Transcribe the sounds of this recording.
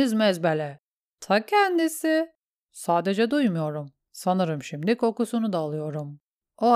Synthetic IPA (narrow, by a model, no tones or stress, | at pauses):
izmɛzbɛlʲɛ | t̪ʰacʰɛnd̪isɪ | saːd̪e̞d͡ʒɛd̪ujmujo̞ɾum | sanɯɾɯmʃimd̪ikʰo̞kusunud̪aːlˠɯjo̞ɾum | o